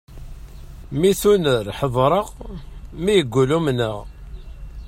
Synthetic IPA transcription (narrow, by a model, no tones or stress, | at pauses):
miθunəɾħəðˤɾˤəʁmijəɡʷːulumnəʁ